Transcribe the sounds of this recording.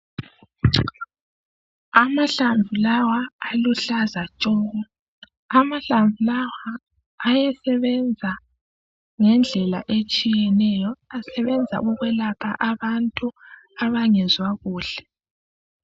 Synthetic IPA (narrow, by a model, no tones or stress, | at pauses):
amaɬaɱvʱulawaːluɬazat͡ʃʼɔːɣɔ | amaɬaɱvʱulawaː | jɛsɛβɛnd͡zʱa | ŋɛnd͡ɮʱɛla̰ʔet͡ʃʼijɛnɛjɔasɛβɛnd͡zʱa̰ɣuɣwɛlapʰaʔaβantʼu | aβaŋɛzwaɣuːɬɛ̥